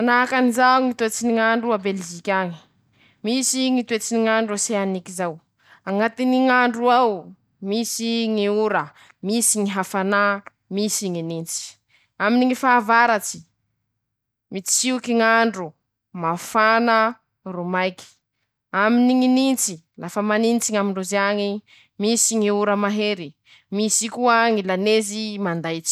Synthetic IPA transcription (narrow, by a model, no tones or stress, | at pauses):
anakanizauŋit̪uet͡siniŋaɳɖ͡ʐuabeld͡ʒikʲaŋi̥ | misiŋit̪uet͡siniŋaɳɖ͡ʐuaseanikizaw | aŋat̪iniŋaɳɖ͡ʐuaw | misiŋiuɾə | misiŋiɦafana | misiŋinint͡si̥ | aminiŋifaːvaɾat͡si̥ | mit͡siukiŋaɳɖ͡ʐu | mafanə | rumajki̥ | aminiŋinint͡si | lafəmanint͡siŋamiɳɖ͡ʐuzaŋi | misiŋiuɾəmaɦeɾi | misikuaŋilanezimand̪ajt͡si̥